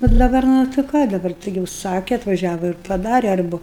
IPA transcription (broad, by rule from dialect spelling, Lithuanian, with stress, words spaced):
nʊ dɐˈbɐr ˈnʊ tɐɪ ˈkɑː dɐˈbɐr ˈtɐɪɡʲɪ ʊʃˈsɑːkʲɛ ɐtʋɐˈʒʲæːʋɐ ɪr pɐˈdɑːrʲɛ ˈɐrbʊ